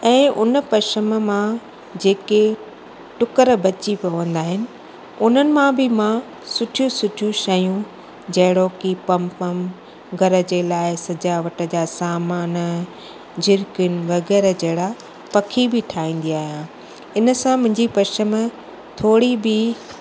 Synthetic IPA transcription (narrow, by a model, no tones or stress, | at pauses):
ɛ̃ːʔʊnəpɐʃəməmã | d͡ʑeːke | ʈʊkəɾbɐt͡ɕipɐʋə̃nd̪aːɦɪnɪ̆ | ʊn̤ənɪ̆mãbʱɪmã | sʊʈʰijũsʊʈʰijũʃɐjũ | d͡ʑɐɦɪɽoːkipɐmpɐm | ɡʱɐɾə̆d͡ʑeːlaːɪsɐd͡ʑaːʋəʈə̆d͡ʑasaːmaːn | d͡ʑɪɾkʊnɪ̆ʋɐɣɛːɾd͡ʑɐɦɪɽa | pɐkʰibɪʈʰaːĩːn̆d̪iaːɦijã | ɪnə̆sãmʊ̃ɦɪ̃ɲd͡ʑipɐʃəmə | t̪ʰoːɽibɪ